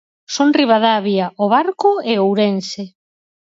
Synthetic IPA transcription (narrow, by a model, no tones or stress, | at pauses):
sonriβ̞aðaβiaʔoβaɾkoeowɾense